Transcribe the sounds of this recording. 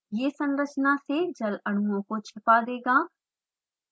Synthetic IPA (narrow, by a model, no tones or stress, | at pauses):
jeːsɐ̃nɾət͡ʃnased͡ʒɐlɐɽ̃uõkot͡ʃʰɪpad̪eːɡaː